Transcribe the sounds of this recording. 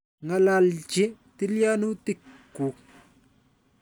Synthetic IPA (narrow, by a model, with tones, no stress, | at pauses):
ŋa˨la˨lt͡ʃɪ˦ti˦lja˦nu˦ti˦˨kːu˨k̚